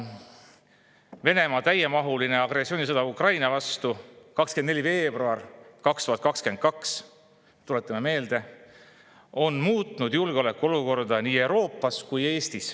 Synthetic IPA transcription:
ve̞ne̞mɑt̪æjemɑɦuline̞ɑɡ̥rɾesːio̞ːnisɤd̪̥ɑukrɑjnɑvɑst̪ukɑkskend̪ne̞lʲive̞ːb̥ruɑrkɑkst̪uhɑt̪kɑkske̞n̚kɑks | t̪ule̞t̪ːˑɑmeme̞ːld̪̥e̞ | o̞nmuːt̪ˑnud̪julɡ̥eo̞le̞kːˑuo̞luko̞rd̪ɑniːe̞wɾo̞ːpːˑɑskuje̞ːst̪is

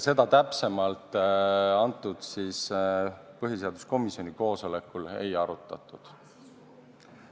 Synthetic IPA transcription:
se̞d̪̥ɑt̪æpse̞mɑlt̪ˑɑnt̪ːˑud̪̥siːs | pɤɦjise̞ɑd̪̥u̥sko̞misio̞niko̞ːso̞le̞kːˑule̞̰jɑɾut̪ːˑɑt̪ːˑud̪̥

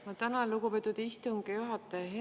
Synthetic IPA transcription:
mɑt̪ænɑluɡ̥upet̪ːˑud̪ist̪uŋɡejuɦɑt̪ːˑɑɦe

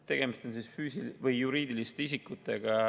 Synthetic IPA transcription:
t̪e̞ɡ̥e̞mist̪o̞nsisfyːsilvɯjːuɾiːd̪̥ilist̪e̞is̬ikːˑut̪ˑːe̞ɡ̥ɑ

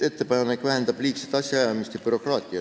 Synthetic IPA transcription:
e̞t̪ːe̞pɑjɑnekvæɦend̪̥ɑb̥liːkset̪ɑsʲjɑjɑmist̪jɑpyɾo̞krɑːt̪ʲːˑiɑ

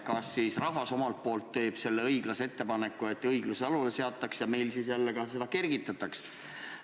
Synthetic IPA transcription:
kɑsːisrɑɦvɑso̞mɑlt̪̚po̞ːlt̪ːe̞ːb̥se̞lːe̞ɤjɡ̥lɑseet̪ːe̞pɑne̞kːˑue̞t̪ːˑɤjɡluseɑlulese̞ɑt̪ːˑɑksjɑme̞jlsisjælːeɡ̥ɑse̞d̪ɑke̞rɡit̪ːˑɑt̪ːˑɑks

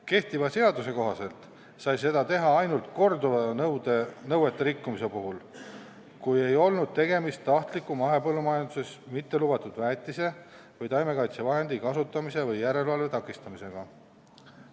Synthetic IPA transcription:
ke̞ht̪ivɑse̞ɑd̪use̞ko̞ɦɑse̞lt̪ | sɑjs̬e̞d̪ɑt̪e̞ɦɑɑjnult̪ko̞rd̪uvɑnɤwd̪enɤwe̞t̪ːe̞ɾikːumise̞puɦul | kuje̞jo̞lnud̪̥̚t̪e̞ɡe̞mist̪ːɑht̪likːˑumɑɦe̞pɤlːumɑjɑnd̪use̞smit̪ːe̞lubɑt̪ud̪̥væːt̪ːˑise̞ | vɤjt̪ɑjme̞kɑjt̪sevɑɦe̞nd̪ikɑsut̪ːˑɑmise̞vɯjːæɾe̞lvɑlve̞t̪ɑkːˑist̪ɑmise̞ɡ̥ɑ

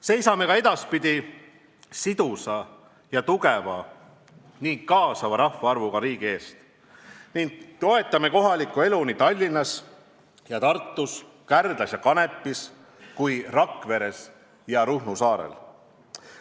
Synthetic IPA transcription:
se̞jsɑme̞kɑe̞d̪̥ɑspid̪̥ʲi | sid̪usɑ | jɑt̪uɡevɑ | niŋkɑːsɑvɑɾɑhvɑɑrvuɡ̥ɑɾiːɡ̥ie̞ːst̪ | nindt̪o̞e̞t̪ːˑɑme̞ko̞ɦɑlikːˑue̞lunit̪ɑlʲːinːɑs | jɑt̪ɑrt̪ˑːus | kærd̪̥lɑsjɑkɑne̞pːis | kujrɑkːve̞ɾe̞s | jɑɾuhnusɑːɾḛl

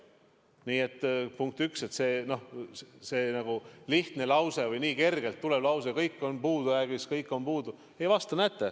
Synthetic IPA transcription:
niːe̞t̪ˑːpuŋk̚t̪ykset̪se̞ːno̞hseːnɑɡ̥uliht̪ne̞lɑwse̞vɤjniːke̞rɡ̥e̞lt̪ːule̞b̥lɑwsekɤjkːˑo̞npuːd̪̥ujæɡ̥iskɤjkːˑo̞npuːd̪u | e̞jvɑst̪ɑnæt̪ːe

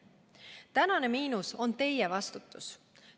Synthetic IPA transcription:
t̪ænɑne̞miːnuso̞nt̪e̞jevɑst̪ut̪ːˑus

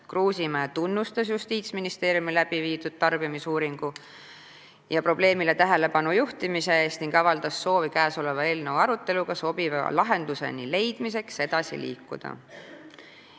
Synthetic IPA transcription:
kruːsimæːt̪unːust̪ɑsjust̪iːt̪sminist̪e̞ːɾjumilæb̥iviːt̪ud̥̪̚t̪ɑrb̥ijɑmisuːɾiŋɡ̥u | jɑpro̞b̥le̞ːmile̞t̪æɦe̞le̞pɑnujuht̪imise̞e̞ːst̪niŋɡɑvɑld̪̥ɑsːo̞ːvikæːso̞le̞vɑe̞lnevɑɾut̪ːe̞luɡ̥ɑso̞b̥ivɑ̰lɑɦe̞nd̪̥use̞̰nile̞jd̪̥mise̞kse̞d̪̥ɑsḭlḭːkːṵd̪̥ɑ̰

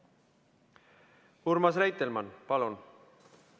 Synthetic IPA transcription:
uɾmɑsræjt̪ːelmɑnpɑlun

